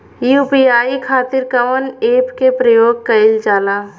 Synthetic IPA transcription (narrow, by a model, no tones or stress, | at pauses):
iupjaːikʰaːt̪ɪɾkɐʋəneːpkepɾəjoːɡ̚kɐɪld͡ʒaːlaː